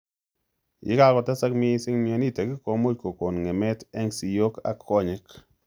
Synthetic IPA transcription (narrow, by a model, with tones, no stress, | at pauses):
jɪ̰˦ka˦kɔ˨tɛ˦sa˦kmɪ˦sɪ˦ŋmi˦e˨ni˦˨te˨ki˦ko˨mo˦t̚ko˨ko˨nŋe˨mɛ˦tɛ˦ŋsi˨jo˦ka̰˨kʰːɔ˦˨ɲɪ˦k